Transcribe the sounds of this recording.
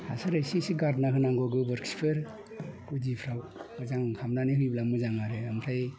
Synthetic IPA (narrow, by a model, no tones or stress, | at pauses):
ha̰saɾɯsisiɡaɾnaɦɯnaŋɡɔɡɯbɯɾkspʰɯɾ | kud͡ʒipʰɾaw | ɯzaŋkʰamnaniɦɯjblamuzaŋaɾɯampʰɾaj